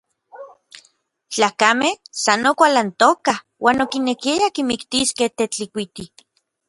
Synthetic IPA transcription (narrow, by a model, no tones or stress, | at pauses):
t͡ɬaːkamehsanokʷalant̪oka | wʔaːnokinekiajakimikt̪iskeht̪et͡ɬikʷit̪i